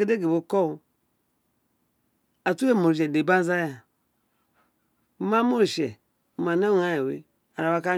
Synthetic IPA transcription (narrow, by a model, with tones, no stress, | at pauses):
e˦de˦ɡe˨bo˨ko˦˨ | a˨tu˦e˦˨mo˨ɾʃ̬e˨de˨ba˦za˦ja˨ | ma˦mo˦ɾʃe˨ | ma˨na˦ŋa˦je˨wḛ˨ | a˨ɾa˨wa˦ka˦